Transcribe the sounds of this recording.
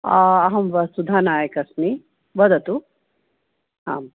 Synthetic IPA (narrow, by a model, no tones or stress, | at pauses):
ɐɐɦɐmʋɐsud̪ʱaːnaːjɐkɐsni | ʋɐd̪ɐt̪u | ɦa̰ːm